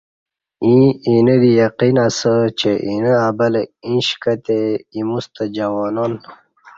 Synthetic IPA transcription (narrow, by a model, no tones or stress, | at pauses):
ĩinəd̪ijɐqinasət͡ɕeʔinəabɐlĩɕkət̪eimust̪əd͡ʑɐwoːnon